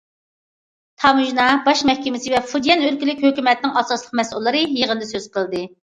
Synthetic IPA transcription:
t̪ʰɑmuʒnɑbɑʃmɛhkʲɛmɪsɪvɛfud̪jɛnølkʲilɪkʲhøkʲymɛt̪nɪŋɑsɑslˠəq̚mɛsulˠːɨɾɨjeʁənd̪ɨsøz̥qʰəlˠd̪ɨ

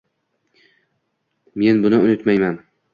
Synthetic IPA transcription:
me̞nbʊnɪʊnɪt̪majman

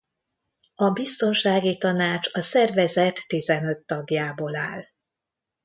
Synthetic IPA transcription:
ɒbist̪o̞nʃaːɡit̪ɒnaːt͡ʃɒsɛrvɛzɛt̪ːizɛnø̞t̪ːɒɡjaːbolaːl

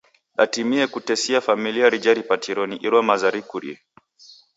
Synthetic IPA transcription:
ɗa̰timiɛkutɛsiafamiliaɾid͡ʒaɾipatʰiɾɔniʔiɾwamazaɾikuɾḭɛ

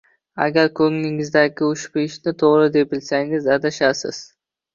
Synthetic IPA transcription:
a̰ɡʲaɾkʰɵŋnɪŋɪzd̪aɡʲɪʊʃbɪʃnɪt̪ʰoʁɾɪd̪e̞p̚ɪlsaŋɪzad̪aʃasɪ̰z̥

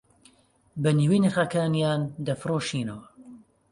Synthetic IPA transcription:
bɐniwiːnɐxakaːnjaːnd̪ɐfɨɾoːʃiːnɐwɐ

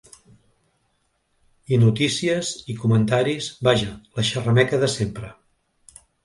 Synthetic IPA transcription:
inut̪isiəzikumənt̪aɾizbaʒələʃərəmɛkəðəsempɾə

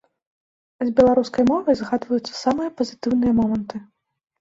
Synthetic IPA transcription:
zbʲɛlˠaɾuskɐjmɔvɐjzɣad̪vɐjut̪sːɐ̥samɨjɐpɐzʲɨt̪ɨwnɨjɐmɔmɐnt̪ɨ

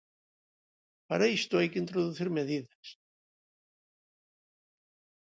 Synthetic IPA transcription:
pa̰ɾaist̪uejcɪnt̪ɾɔðuθɪɾmɛðiðas

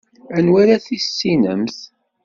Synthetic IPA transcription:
ænwæɾæθisːinə̰mθ

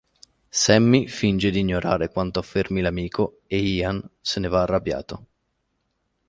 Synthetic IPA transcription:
sɛmːifind͡ʒed̪iːɲːoɾa̰ːɾekwant̪oafːermilamiːkʰo | eiːansenevaːrːabja̰ːt̪o

